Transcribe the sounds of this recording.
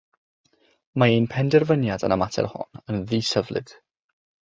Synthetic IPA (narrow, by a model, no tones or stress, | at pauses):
maejnpʰɛndɛrvənjadə̰namatʰɛ̰rhɔ̰nənðiːsəvlˠɨ̰d̥